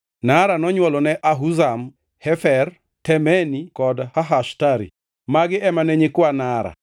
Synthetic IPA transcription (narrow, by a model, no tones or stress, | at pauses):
naɾanɔɲwɔlɔnɛʔaɦuzam | hɛfɛr | tɛmɛnikɔdhaɦaʃtaɾḭ | maɡɪɛmanɛɲɪkwanaɾa̰